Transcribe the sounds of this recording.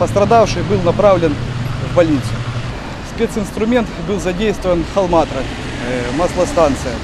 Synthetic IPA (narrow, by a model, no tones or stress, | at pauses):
pɐst̪ɾɐd̪afʂɨjbɨlˠnɐpɾavlʲɪnvːɐlʲit̪sɨjʊ | spʲet̪sɨnst̪ɾʊmʲe̞nt̪bɨlˠzɐdʲejst̪vəvənxɐlˠmat̪ɾɐ | maslˠɐst̪ant̪sɨjɐ